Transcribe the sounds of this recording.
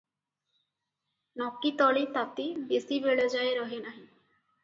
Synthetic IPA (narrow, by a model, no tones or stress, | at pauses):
nɔkːit̪ɔɭit̪at̪ibesibeɭed͡ʒaeɾɔɦinaɦĩ